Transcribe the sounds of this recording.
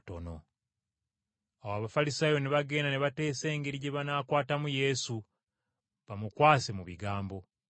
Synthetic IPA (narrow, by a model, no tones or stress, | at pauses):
to̞̰no̞̰ | awaβafalisaːjo̞neβaɡe̞ːndaneβate̞ːse̞ːŋɡeɾiɟeβanaːkwaːtamuje̞su | βamukwaːse̞muβiɡaːmbo̞